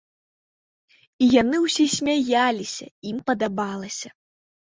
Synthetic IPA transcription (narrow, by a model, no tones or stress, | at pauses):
ijanɨwsʲɛsʲmʲajalʲisʲɐ̰impɐd̪abalˠɐsʲɐ